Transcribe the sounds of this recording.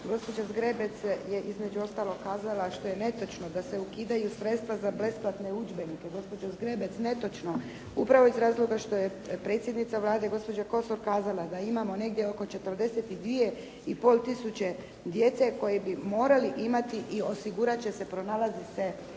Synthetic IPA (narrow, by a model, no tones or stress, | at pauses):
ɡo̞spo̞d͡ʒazɡɾebe̞t̪sje̞ʔizmed͡ʒuo̞st̪aːlo̞ɡkːaːzalaʃt̪o̞jene̞t̪o̞t͡ʃnod̪ase̞ukiːd̪ajusɾe̞t̪st̪ʋazable̞splat̪neud͡ʒbe̞nikeɡo̞spo̞d͡ʒazɡɾebet̪sne̞t̪o̞t͡ʃno̞ | upɾaʋo̞izɾaːzlˠo̞ɡaʃt̪o̞je | pɾe̞t̪sjed̪nit̪saʋlˠaːd̪e̞ɡo̞spo̞d͡ʑako̞so̞ɾkaːzalad̪aimamo̞ne̞ɡd̪ʲjeoko̞t͡ʃe̞t̪əɾd̪e̞set̪id̪ʋije̞ | ipo̞ːlˠt̪isut͡ɕe̞ | d̪je̞t̪se̞ko̞jebimo̞ːɾaliʔimat̪iʔio̞siɡuɾat͡ɕe̞se̞pɾo̞naːlazise